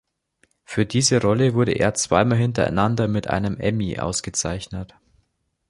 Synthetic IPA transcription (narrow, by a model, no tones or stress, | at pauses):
fyːɐdiːzəʁɔləvʊɐɾə̰ʔḛːɐt͡sv̥aɪmaːlhɪntɐʔa̰ɪnandɐmɪtʔa̰ɪnəmʔɛ̰miʔa̰ʊsɡ̥ət͡saɪçnət